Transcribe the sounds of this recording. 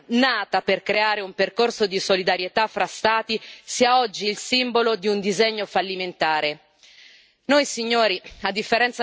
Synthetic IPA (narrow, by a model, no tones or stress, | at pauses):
naːt̪aperkɾeaːɾeumperkorsod̪isolid̪aɾjet̪afːɾast̪aːt̪isiaɔd͡ʒːilsimbolod̪iund̪izeɲːofalːiment̪aːɾe | nojsiɲːoːɾiad̪ːifːeɾɛnt̪sa